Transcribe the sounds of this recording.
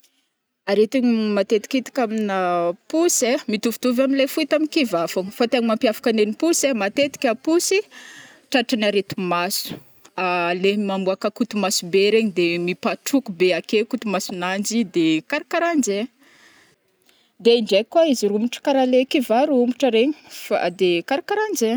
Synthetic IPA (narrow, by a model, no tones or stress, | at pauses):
aɾet̪iɲimat̪et̪i̥kit̪i̥kaminapusemit̪uvit̪uvaminlefuit̪aminkivafuɲfat̪eɲimampiafḁkanenipusemat̪et̪i̥kʲapusi | ʈ͡ʂaʈ͡ʂanaɾet̪umasu̥ | alemamuakəkut̪umasubeɾeɲid̪emipaʈ͡ʂukubeakekut̪umasunand͡ʒid̪ekaɾakaɾand͡ʒe | d̪eiɳɖ͡ʐekːwaiziɾumbuʈ͡ʂə̥kaɾalekivaɾumbuʈ͡ʂəɾeɲifa̰d̪ekaɾakaɾand͡ʒe